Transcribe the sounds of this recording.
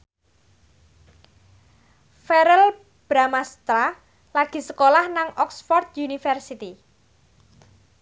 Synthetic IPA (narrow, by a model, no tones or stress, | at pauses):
fɛɾɛl | b̥ɾamast̪ɾa | laɡ̥i̤səkolahnaŋɔksfɔrt̪junifɛrsit̪i